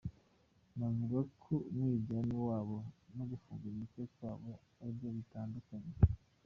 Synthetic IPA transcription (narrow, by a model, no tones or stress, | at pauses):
namuɾokʰumwiːbɟaːniwaːβonoɡufuːŋɡaiβikekwaːβo | aɾibjoβitaːndukaɲe